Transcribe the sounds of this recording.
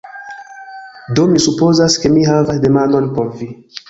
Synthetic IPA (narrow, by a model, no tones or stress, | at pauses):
domisupozaske̞miɦavasdemandonpoɾvi